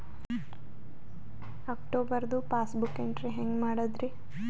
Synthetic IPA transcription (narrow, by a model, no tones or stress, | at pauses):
aːkʈoːbɐɾd̪upaːsbukeɳʈɾiɦeŋɡmaːɽɐd̪ɾi